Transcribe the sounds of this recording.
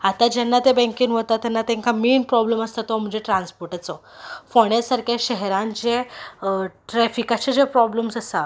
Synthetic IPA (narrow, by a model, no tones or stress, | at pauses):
at̪ad͡ʑɛnːat̪ebɛ̃ŋkiːnɦot̪at̪ːɛnːat̪ɛ̃ŋkʰameːnpɾɔbləməst̪at̪ɔm̤ə̃d͡ʑeʈɾãnspɔɾʈat͡sɔfɔɽ̃esaɾkaɕɛɦɾãnt͡ɕẽ | ʈɾɛfikat͡ɕad͡ʑepɾɔbləmsəsa